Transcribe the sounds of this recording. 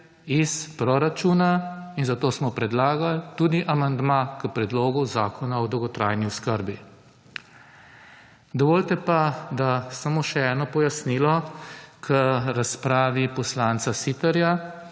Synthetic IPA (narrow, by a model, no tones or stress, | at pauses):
ispɾɔɾat͡ʃuːnainzat̪oːsmɔpɾɛd̪laːɡalt̪ud̪iʔamand̪makəpɾɛd̪loːɡuzaːkʰɔnaɔd̪ɔwɡɔt̪ɾaːjniɔskəɾbi | d̪ɔʋoːlt̪ɛpad̪asamoʃɛɛːnɔpɔjasniːlɔkʰəɾaspɾaːʋipɔslaːnsasit̪ɛɾja